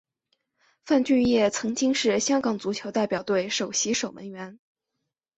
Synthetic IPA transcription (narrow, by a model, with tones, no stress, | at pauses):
fa˥˧nt͡ɕy˥˧njɛ˥˩t͡sʰɤ˧˥ŋt͡ɕi˥ŋʂɻ̩˥˩ɕjɑ˥ŋkɑ˨˩ŋt͡su˧˥t͡ɕʰjo˧˥ʊt̪a˥˩ɪpjɑ˨˩ʊt̪we˥˩ɪʂo˨˩ʊɕi˧˥ʂo˨˩ʊmə̰˧˥nɥɛ˧˥n